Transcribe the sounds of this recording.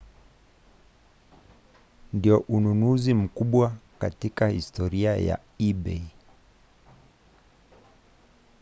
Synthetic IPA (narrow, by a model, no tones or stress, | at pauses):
ndiɔʔununuzim̩kuɓwaka̰tikahistɔɾiaja̰ | iɓɛ̰i